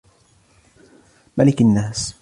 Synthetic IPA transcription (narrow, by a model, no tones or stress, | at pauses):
malɪkanːaːs